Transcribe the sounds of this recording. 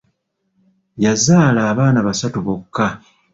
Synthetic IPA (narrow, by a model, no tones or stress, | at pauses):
jazaːlaːβaːnaβasatuβokːa